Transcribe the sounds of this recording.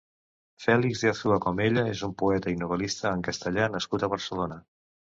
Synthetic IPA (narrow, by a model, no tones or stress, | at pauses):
fɛlikzðiaθuəkɔmeʎəezumpuɛt̪əinuβ̞əlist̪əːŋkəst̪əʎanəskut̪əβəɾsəlonə